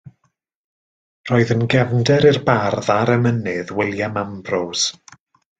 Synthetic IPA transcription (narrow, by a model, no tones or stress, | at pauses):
r̥oːɨðənɡɛvndɛɾirbarðaɾɛmənɨðwɪlˠjamambrows